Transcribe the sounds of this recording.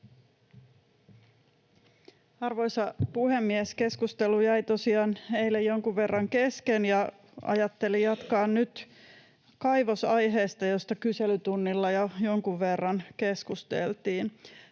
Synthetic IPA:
ɑrʋo̞jsɑpuhe̞mːieske̞skust̪elujæjt̪o̞siɑːnhe̞ilːejjoŋkuʋʋe̞rːɑŋke̞skenjɑ | ɑ̰jɑt̪ːe̞lijɑt̪kɑːnnyt̪ | kɑjʋosɑjɦe̞ːst̪ɑjo̞st̪ɑkyselyt̪unːilːɑjojo̞ŋkuʋːe̞rːɑnkeskust̪ḛlt̪iːn

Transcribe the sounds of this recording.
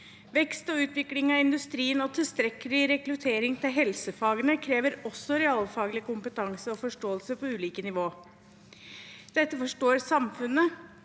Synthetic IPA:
ʋɛkst̪ɔʉːt̪ʋɪklɪŋɑɪnd̪ʉst̪ɾiːənɔt̪ʰɪst̪ɾɛkːəlɪɾɛkɾʉt̪ʰeːɾɪŋt̪ʰɪlɦɛlsəfɑːɡənəkʰɾeːʋəɾɔsːɔɾɛɑːlfɑːɡəlɪkʊmpət̪ʰɑŋsəɔfɔʂʈoːəlsəpɔʉːliːkənɪʋoː | d̪̥ɛt̪ːəfɔʂʈoːɾsɑmfʉnːə

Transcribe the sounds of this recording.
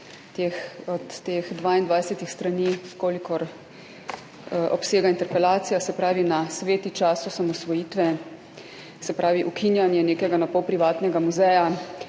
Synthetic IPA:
t̪exɔt̪ːeːxd̪ʋaːind̪ʋajsɛt̪ixst̪ɾaniːkoːlikɔɾ | ʔɔpseːɡaint̪ɛɾpɛlaːt̪sijasɛpɾaːʋinasʋeːt̪it͡ʃaːsɔsamɔsʋɔjiːt̪ʋɛ | sɛpɾaːʋiʔukʰinjanjɛneːkɛɡanapɔwpɾiʋaːt̪nɛɡamuzɛja

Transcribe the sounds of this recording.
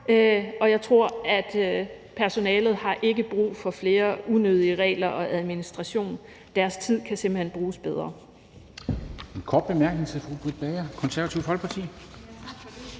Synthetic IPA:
ɒ̽jɑ̈ɪt͡sʰʁo̝ɐ̰æd̥ | pʰæɐso̝nɛːlð̞̩ˠhɑ̈ʔe̝ɡ̥əb̥ʁṵːfɒ̽fle̝ːɐunøð̞ˠiəʁɛ̰ːlɐʔɒ̽ʔæð̞ˠminisd̥ʁɑ̈ɕo̝̰ːn | d̥æɐst͡sʰið̞̰ˠkʰæse̝mb̥l̩henb̥ʁuːsb̥eð̞ˠʁɐ | enkʰɒ̰ːd̥b̥e̝mæɐɡ̥neŋsʰefʁub̥ʁid̥b̥ɛɐkʰɒ̽nsæɐʋæt͡sʰiʊ̰fɒlɡ̥̚pʰɑ̈t͡sʰḭ

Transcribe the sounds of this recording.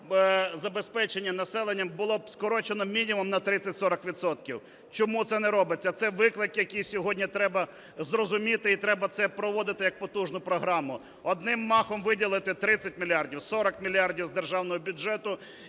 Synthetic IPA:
zɐbespɛt͡ʃenʲːɐnɐsɛlˠenʲːɐmbʊlˠɔskɔɾɔt͡ʃenɔmʲinʲimʊmnɐt̪ɾɪt͡sʲːɐtʲsɔɾɐkʋʲit̪sɔt̪kʲiw | t͡ʃɔmut̪sɛnɛɾɔbɪt͡sʲːɐt̪sɛʋɪklˠɪkjɐkʲijsʲɔɦɔdʲnʲit̪ɾɛbɐ | zrɔzʊmʲit̪ɪit̪ɾɛbɐt̪sɛpɾɔʋɔd̪ɪt̪ɪjɐk̚pɔt̪uʒnʊpɾɔɦɾɑmʊ | ɔd̪nɪmːɑxɔmʋɪdʲilˠɪt̪ɪt̪ɾɪt͡sʲːɐt̚ʲmʲilʲjardʲiwsɔɾɐkmʲilʲiardʲiwzd̪erʒɑwnɔɦɔbʲʊʒɛt̪ʊ

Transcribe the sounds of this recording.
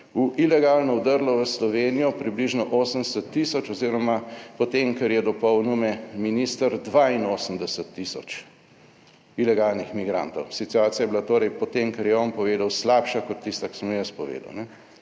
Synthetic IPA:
uʔilɛɡalnɔud̪əɾlɔʋəslɔʋeːnijɔpɾibliʒnɔʔoːsəmsət̪ːisɔt͡ʃɔziɾɔmapɔt̪emkɛɾjɛd̪ɔpɔwnumɛminist̪əɾd̪ʋainoːsəmd̪ɛsət̪ːisɔ̰t͡ʃ | ilɛɡalnixmiɡɾa̰nt̪ɔwsit̪uaːt̪sijajɛbilat̪oːɾɛjpɔt̪emkɛɾjɛɔnpɔʋeːd̪awslaːpʃakɔt̪ːist̪aki̥səmjəst̪pɔʋḛːd̪ɐ̰wnɛ

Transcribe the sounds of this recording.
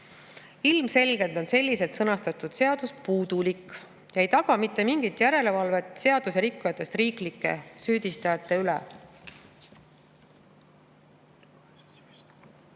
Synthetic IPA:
ilmse̞lʲɡ̥e̞lt̪o̞nse̞lʲːise̞d̪sɤnɑst̪ɑt̪ːˑud̪̥se̞ɑd̪̥uspuːd̪̥ulikː | jɑejt̪ɑɡ̥ɑmit̪ːˑe̞miŋɡ̥it̪ˑjæɾe̞le̞vɑlve̞t̪ˑse̞ɑd̪̥use̞ɾikːujɑt̪ːˑe̞st̪riːklikːˑe̞̰syːd̪̥ist̪ɑjɑt̪ːe̞ylḛ

